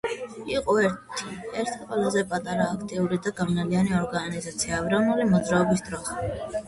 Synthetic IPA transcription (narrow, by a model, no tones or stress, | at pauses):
iqʼɔɛɾt̪ʰi̥ɛɾt̪ʰiqʼwɛlazɛpʼat̪ʼaɾaːkʰt̪ʼiuɾid̪aɡavnalianiɔɾɡanizat̪sʰiaːvɾanulimɔd̪zɾaɔbisd̪ɾɔs